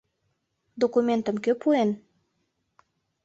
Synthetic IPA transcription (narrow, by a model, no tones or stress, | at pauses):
d̪okument̪əmkøpuen